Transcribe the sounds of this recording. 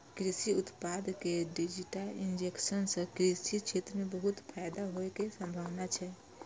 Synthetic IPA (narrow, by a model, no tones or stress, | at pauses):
kɾisiʊt̪paːd̪keɖid͡ʒiʈəlɪ̃nd͡ʒekʃənsəkɾisit͡ʃʰeːt̪ɾmẽbəɦʊt̪pʰaːjd̪aɦoekesə̃mbʱaːʋnat͡ʃʰɛ